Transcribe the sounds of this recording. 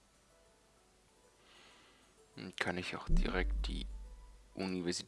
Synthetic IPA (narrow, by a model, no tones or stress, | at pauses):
kʰanɪça̰ʊxd̥ḭʁɛk̚t̚d̥ḭːʔunivɛɐzi